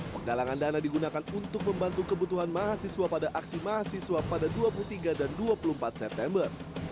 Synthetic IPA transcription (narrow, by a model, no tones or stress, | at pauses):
pəŋɡalaŋandanadiɡunakanunt̪ʊk̚məmbant̪ukəbut̪uɦanmaɦasiswapadaʔaksimaɦasiswapadaduapulut̪iɡadanduapuluəmpat̪̚sɛp̚t̪ɛmbər